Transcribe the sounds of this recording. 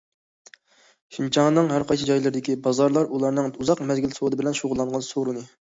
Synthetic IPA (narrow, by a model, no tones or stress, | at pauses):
ʃint͡ʃʰɑŋnɨŋɦæɾqɑjt͡ʃʰɪd͡ʒɑjlˠɨɾd̪ɪkʲibɑzɑɾlˠɑɾulˠɑɾnɨŋuzɑqmɛzɡʲilsod̪ɨbɪlɛnʃoʁʊlˠːɑɴʁɑnsoɾunɨ